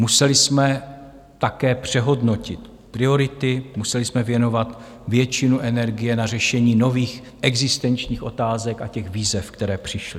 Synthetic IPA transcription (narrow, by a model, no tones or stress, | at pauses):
musɛlɪsmɛ | t̪akɛːpr̝̥ɛɦo̞dno̞cɪt̪ | pɾɪo̞ɾɪt̪ɪmusɛlɪsmɛvjɛno̞vat̪ | vjɛt͡ʃɪnuʔɛnɛɾɡɪjɛnar̝ɛʃɛɲiːno̞viːx | ʔɛɡzɪst̪ɛnt͡ʃɲiːxʔo̞t̪aːzɛka̰cɛxviːzɛfkt̪ɛɾɛːpr̝̥ɪʃlɪ